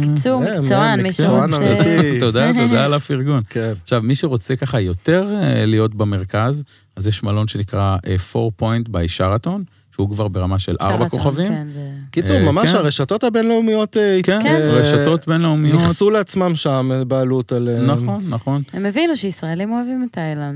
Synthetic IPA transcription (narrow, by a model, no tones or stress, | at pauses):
kit͡suemaoanait̪od̪aod̪alafiʁɡunkenaχʃavmiʃeʁo̞t͡se̞kaχajo̞t̪e̞ʁlijo̞tbame̞ʁkaz | azjɛʃmalo̞nʃenikʁaʔefo̞̰ʁpo̞jntbeiʃaʁato̞n | ʃeukvaʁbe̞ʁamaʃelʔa̰ʁbako̞χavimkit͡sumamaʃaʁeʃato̞thabe̞nleumijo̞tekeʁeʃato̞t̪benleumijioχsuleat͡smamʃamebaːlutalenaχo̞nːaχo̞nhemevinuʃeisʁaelimoavimtajlan